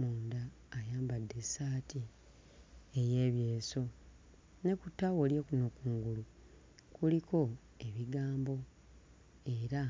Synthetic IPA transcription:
muːndaː | jaːmbadːe̞saːti | eje̞ːβje̞ːso̞ | ne̞kutːawolje̞kunokuːŋɡulu | kuliko̞ | e̞βiɡaːmbo̞ | e̞ɾa

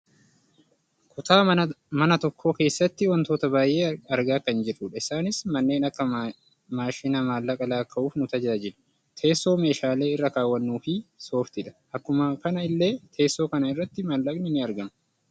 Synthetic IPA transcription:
kʰʊt̪aːmɐnɐt̪ɔkʰːo̞ːke̞ːsːɐt̪ːɪwɔnt̪o̞ːt̪ɐbaːjʔe̞ːɐɾɡaːkɐnd͡ʒɪrːʊːᶑɐɪsaːnɪsmɐnːe̞ːnɐkːɐ | maːʃɪnɐmaːlːɐkʼɐlaːkːɐʔuːfnʊt̪ɐd͡ʒaɐd͡ʒɪᶑʊ̥ | t̪ʰe̞ːsːo̞ːme̞ːʃaːle̞ːɪrːɐkaːwːɐnːuːfɪso̞ːft̪ɪᶑ̪ɐ̥ʔɐkːʊmɐkɐnɐɪlːe̞ːt̪ʰe̞ːsːo̞ːkɐnɐɪrːɐt̪ːɪmaːlːɐknɪnɪɐɾɡɐmɐ

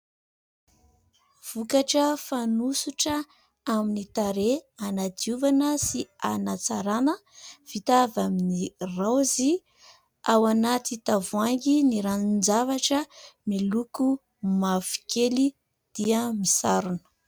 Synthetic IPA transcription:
v̥ukaʈ͡ʂəfanusuʈ͡ʂə | aminit̪aɾeanad̪iuvanəsianat͡saɾanə | v̥it̪avaminirawzi | awanat̪it̪avuaŋɡiniɾanind͡zavaʈ͡ʂəmiluku | mavi̥keli | d̪̥iəmisaɾunə̥

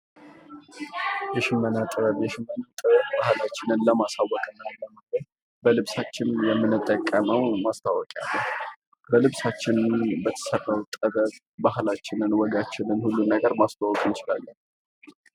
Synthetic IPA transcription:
jɛʃɪmːənat̪ʼɨəjɛʃɪmːənat̪ʼəβəbahlat͡ʃːɪnɨnləmasawːɔkʼɨnːaləməɡəɾ | bəlɨβsat͡ʃːɪnjɛmːɨnːɨt̪ʼːəkʼːəməwmast̪ʰawɔkʼja̰lːəh | bəlɨβsat͡ʃːɪnbət̪ʰə̥sərːəwt̪ʼəβətʼ | bahlat͡ʃːɪnɨnwɔɡat͡ʃːɪnɨnhulːunːəɡəɾmast̪ʰawɔkʼjɪt͡ʃɪla̰lːə

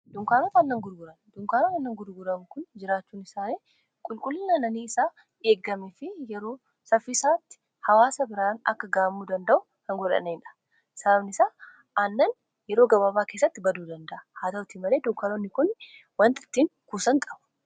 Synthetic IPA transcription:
d̪̥ʊŋkaːɾofɐnːɐŋɡʊɾɡʊɾɐnd̪̥ʊŋkaːɾofɐnːɐŋɡʊɾɡʊɾɐŋkʊnd͡ʒɪɾaːt͡ʃːuːnɪsaːleː | kʼʊlkʼʊlːnanɐniːɪsaː | eːɡːɐmɛfɪjɛɾo̞ː | sɐfːiːsaːt̪ːɪ̥ | hɐwaːsɐbɪɾaːnɐ̰kːɐɡaːmːuːd̪ɐnd̪ɐʔʊ | hɐŋɡɔᶑɐ̰neɪnᶑɐ̥ | sɐɐbnɪsaː | ɐnːɐn | jɛɾo̞ːɡɐbabaːkeːsːɐt̪ːɪbɐd̪uːd̪ɐnd̪ɐʔɐhaːd̪ɐwʊt̪iːmɐleːd̪ʊŋkaːɾonːɪkʊn | wɐnt̪ɪ̥t̪ːiːŋkuːsɐŋkʼɐbʊ̥

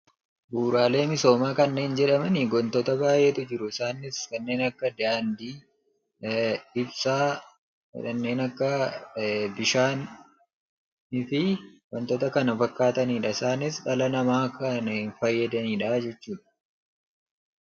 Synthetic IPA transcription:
buːɾaːle̞ːmɪso̞ːmaːkɐnːe̞ːnd͡ʒɛᶑɐmɐnɪɡɔnt̪ɔt̪ɐbaːjʔeːt̪ʊd͡ʒɪɾʊɪsaːnɪskɐnːe̞ːnɐkːɐd̪aːnd̪iː | ɪbsaː | ɛ̰ᶑɐnːe̞ːnɐkːɐ | bɪʃaːn | ɪfɪɡɔnt̪ɔt̪ɐkɐnɐfɐkːaːt̪ɐniːᶑɐɪsaːnɪsᶑɐlɐnɐmaːkʰɐnɪnfɐjːɐd̪ɐniːᶑɐd͡ʒɛt͡ʃːuːᶑɐ̥

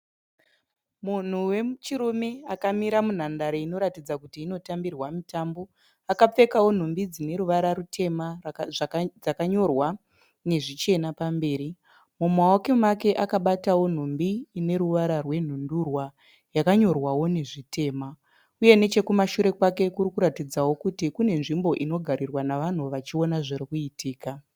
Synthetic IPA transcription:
mun̤uwe̞t͡ʃiɾumeakamiɾamun̤andaɾeino̞ɾatid͡zakutiːno̞tambirwamitaːmbo̞ | akap͡fe̞kawo̞n̤umbid͡zine̞ɾuʋaɾaɾutʰe̞ma | d͡zakaɲo̞rwa | ne̞ʐit͡ʃe̞napambe̞ːɾi | mumaoke̞make̞ʔakaɓatawo̞n̤umbiːne̞ɾuʋaɾarwe̞n̤undurwa | jakaɲo̞rwawo̞ne̞ʐite̞ːma | uje̞ne̞t͡ʃe̞kumaʃuɾe̞kwake̞kuɾikuɾatid͡zawo̞kutikune̞nʐimbo̞ʔino̞ɡʱaɾirwanaʋan̤uʋat͡ʃio̞naʐerikuitiːka

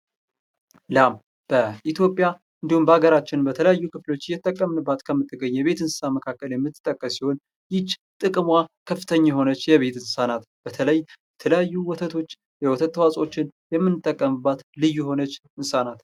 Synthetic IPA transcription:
lam | b̥əʔit̪ʰjo̞pʼja | ʔɨnd̪ihumbəhaɡəɾat͡ʃːɪnbət̪ʰələjajːukɨflo̞t͡ʃːɪjːɛt̪ʼːəkʼːəmnɨbːat̪kʰəmːɨt̪ʰːɨɡəɲːjɛβe̞t̪ɨnsɨ̥saməkʰakːəljɛmːɨt̪ːɨt̪ʼːəkʼːəsːiho̞n | jɪt͡ʃːt̪ʼɨkʼmwakʰəfːɨt̪ʰəɲːajhɦo̞nət͡ʃːjɛβe̞t̪ɨnsanat̪ | b̥ət̪ʰələjjjɛt̪ʰələjajːuwɔt̪ʰət̪ʰo̞t͡ʃː | jɛwɔt̪ʰət̪ːwasʼo̞t͡ʃːɪnjɛmːɨnɨt̪ʼːəkʼːəmɨbːat̪lɨjːuho̞nət͡ʃː | ɨnsanat̪

